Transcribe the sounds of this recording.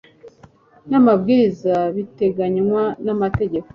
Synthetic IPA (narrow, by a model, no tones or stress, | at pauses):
namabɡiːɾizaβite̞ɡaɲwanamate̞ɟe̞ko̥